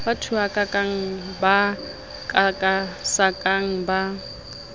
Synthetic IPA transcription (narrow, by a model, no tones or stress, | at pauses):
batʰuakʼakʼaŋ̩ba | kʼakʼasakʼaŋ̩ba